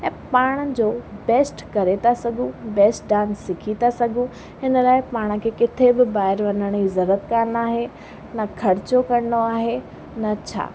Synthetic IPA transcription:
ɛ̃ːpaːɽ̃əd͡ʑoːbɛːsʈkɐɾet̪ʰasɐɡʱũbɛːsʈɖãːnsɪkʰit̪ʰasɐɡʱũ | ɦɪnəlaːɪpaːɽ̃ə̆kʰeːkɪt̪ʰebɪbaːɪɾʋɐnəɽ̃izɐɾət̪̚kaːnaːɦe | nɐkʰɐɾɪt͡ɕokɐɽɪɽoaːɦe | nɐt͡ɕʰa̰ː

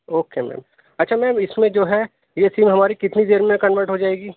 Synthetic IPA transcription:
oːkemɛ̰ːm | ɐtːʃʰamɛ̃ːmɪsmẽd͡ʒoːɦɛ | jesiːmɦɐmaːɾikɪt̪nid̪eːɾmẽkɐnʋəɾʈɦod͡ʒaːeːɡiː

